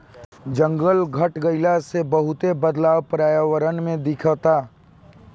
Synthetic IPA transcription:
d͡ʒə̃ŋɡəlɡʱəʈɡəɪlasebɐɦʊt̪ebəd̪laːwpɾaːjəʋəɾənmẽd̪ɪkʰət̪aː

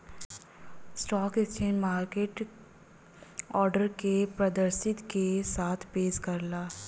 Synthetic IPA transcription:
sʈɔːkɪt͡ʃʰeːnmaːɾkeːʈ | ɔːɾɖəɾkepɾɐd̪əɾʃɪt̪kesaːt̪ʰpeːʃkɐɾlaː

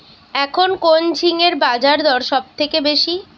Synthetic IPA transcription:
ɛkʰonkond͡ʑʱiŋeɾbad͡ʑaɾd̪ɔɾʃɔb̚t̪ʰekebeʃi

